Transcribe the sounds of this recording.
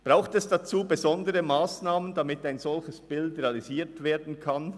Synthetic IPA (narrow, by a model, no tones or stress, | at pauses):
b̥ʁaʊxtɛsd̥at͡suːbezɔndəʁəmaːsnaːməndamɪtaɪnz̥ɔlçəsb̥ɪldʁeɑliziːɐtv̥eːɐdn̩kʰan